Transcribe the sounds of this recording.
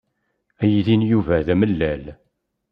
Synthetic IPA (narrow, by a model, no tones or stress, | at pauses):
æjiðinjuvæðæməlːæl